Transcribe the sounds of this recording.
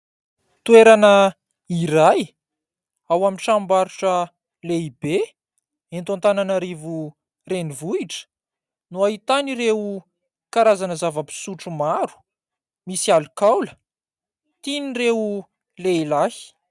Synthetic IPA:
t̪ueɾanə | iɾaj | awaminʈ͡ʂambaɾuʈ͡ʂə | leibe | ent̪ant̪ananaɾivu | renivuiʈ͡ʂə̥ | nuaɦit̪aniɾeu | kaɾazanəzavəpi̥suʈ͡ʂumaɾu̥ | misialukawlə | t̪inireu | lejlahi̥

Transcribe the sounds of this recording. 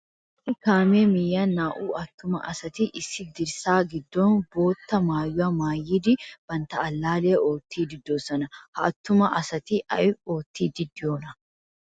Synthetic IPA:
ɪkaːmeːmɪjːaːnːaːʔuːɐt̪ːʊmɐ̰ʔɐsɐt̪ɪʔɪsːɪd̪ɪɾsaːɡɪd̪ːoːnboːt̪ːɐmaːjːʊɐmaːjiːd̪ɪb̥ɐnt̪ɐɐlːaːleːʔoːt̪ːiːd̪ɪd̪ːoːsɐnɐhɐɐt̪ːʊmɐʔɐsɐt̪ɪʔɐ̰oːt̪ːiːd̪ɪd̪ːɪoːnɐ

